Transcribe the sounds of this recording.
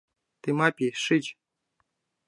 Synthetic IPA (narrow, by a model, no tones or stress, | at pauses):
t̪ɨmapʲiʂɨt͡ɕ